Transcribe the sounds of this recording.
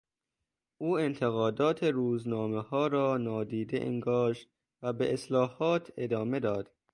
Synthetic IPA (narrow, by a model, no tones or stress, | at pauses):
ʔuːent̪ʰeɣɒːd̪ɒːt̪ʰeɾuːznɒːmehɒːɾɒːnɒːd̪iːd̪ḛʔḛŋɡɒːʃt̪̚ | væbeʔeslɒːhɒːt̪ʰe̞d̪ɒːme̞d̪ɒːd̪̥